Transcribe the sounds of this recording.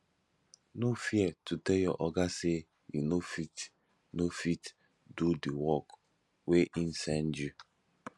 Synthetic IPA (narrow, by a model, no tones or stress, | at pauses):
nofjɛtutejɔʔɔɡase | jṵnofit | nofit | dudiwɔk | weʔin̩sɛn̩d͡ʒi